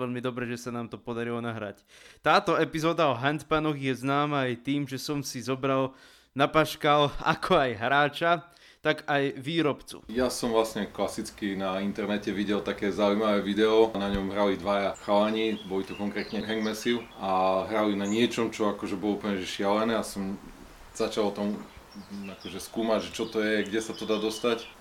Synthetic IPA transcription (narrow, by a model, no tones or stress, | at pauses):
ɛʎmid̪ɔbɾɛʒɛsanaːmt̪ɔpɔd̪aɾilɔnaɦɾa̰ct̪aːt̪ɔɛpizɔːd̪aɔɦɛnt̪panɔɣjɛznaːmaːjt̪iːmʒɛsɔmsizɔbɾal | napaʃkala̰kʰɔajɦɾaːt͡ʃa | t̪aɡajʋiːɾɔpt͡sṵjasɔmvlasɲɛklasit͡skinaint̪ɛɾnɛcɛʋiɟɛlt̪akɛːzaujmaʋɛːʋid̪ɛɔnaɲɔmɦɾalid̪ʋajaxalaɲibɔlit̪ɔkɔŋkɾɛːt̪ɲɛɦɛŋɡmɛsiʊaɦɾalinaɲɪɛt͡ʃɔmt͡ʃɔakɔʒɛbɔlɔuplɲɛʒɛʃɪalɛnɛːasɔm | z̥at͡ʃalt̪am | akɔʒɛskuːmaɟʒɛt͡ʃɔt̪ɔjɛɡɟɛsat̪ɔd̪aːd̪ɔst̪ac